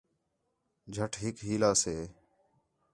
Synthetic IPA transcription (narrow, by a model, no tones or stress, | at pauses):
d͡ʒʱəʈʰɦɪkɦiːlaːseː